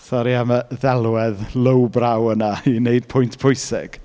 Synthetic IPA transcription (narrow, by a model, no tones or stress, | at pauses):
sɔɾiaməðɛlˠɛðlˠəwbrawənaineɨd̥̚pʰʊjntʰpʰʊjsɪ̰ɡ̥